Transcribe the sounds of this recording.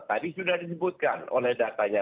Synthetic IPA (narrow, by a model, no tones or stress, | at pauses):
t̪apisudahdis̬əbʊt̪̚kano̰lɛhdat̪aɲa